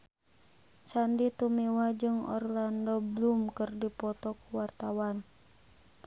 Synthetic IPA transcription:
sandit̪umiwad͡ʒɨŋɔ̰rlandɔblumkɨrdipɔt̪ɔkuwart̪awan

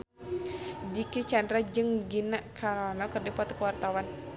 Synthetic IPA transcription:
dikit͡ʃandɾad͡ʒɨŋɡinaʔkʰaɾɔnɔkərdipɔt̪ə̥kəwart̪awan

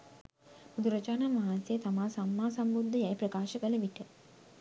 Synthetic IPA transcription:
bud̪ʱuɾɐt͡ʃaːnamʋaɦansjeət̪amaːsamːaːsambud̪ʱːəjɛjpɾɐkaːʃəkələʋiʈə

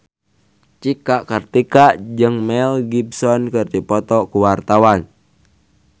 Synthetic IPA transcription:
t͡ʃikaʔkərt̪ikad͡ʒɨŋmɛlɡibsɔnkɨrdipɔt̪ɔkuwart̪awan

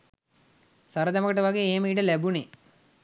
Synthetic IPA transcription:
saɾəd̪aməkəʈəʋaɡeːeːmiːʈəlæbune

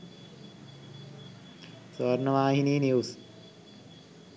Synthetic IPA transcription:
sɐɾnɐʋaːɦiniːnjuːs

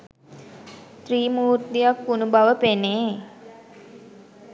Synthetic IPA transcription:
t̪ɾiːmuːt̪d̪ijakːunubaʋəpeneː

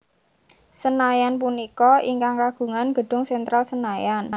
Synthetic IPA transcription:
sənajanp̬unikɔiŋkaŋkaɡ̥ṳŋanɡ̥ə̤ɖ̥ʊ̤ŋsɛnt̪ɾalsənajan

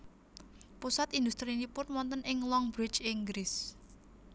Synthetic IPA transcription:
pusat̪ind̪ust̪ɾinipʊnwɔnt̪ənʔɪŋlɔŋbɾɪdt͡ʃiŋɡɾɪs

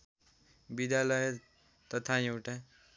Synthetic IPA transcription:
bid̪jalʌjʌ | t̪ʌt̪ʰajewʈa

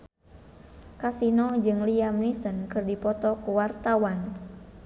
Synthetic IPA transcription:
kasinɔd͡ʒɨŋliamnisənkɨrdipɔt̪ɔkuwart̪awan

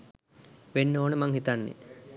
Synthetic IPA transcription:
ʋenːoːnəmaŋhit̪anːḛ

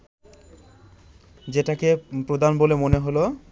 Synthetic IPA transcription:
d͡ʑeʈakepɾod̪ʱanbolemoneɦolo

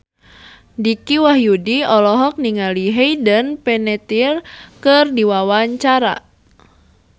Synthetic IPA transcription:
dikiwahjudiɔlɔɦɔk̚niŋaliɦejdənpɛnɛt̪irkɨrdiwawaɲt͡ʃaɾa̰

